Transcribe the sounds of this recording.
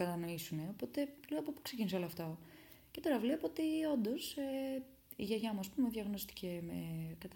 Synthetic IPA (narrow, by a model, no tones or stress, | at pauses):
kɐt̪ɐno̞isune̞o̞po̞t̪e̞liɣopopu̥kse̞cinisoloɐft̪o | ce̞t̪o̞ɾɐvle̞poot̪io̞nd̪o̞se | ḭʝɐʝɐmuɐspumeðʝɐɣno̞st̪i̥ce̞mekɐt̪